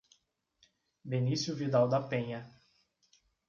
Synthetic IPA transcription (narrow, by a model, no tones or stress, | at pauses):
benisjuvid̪awd̪ɐpẽɲɐ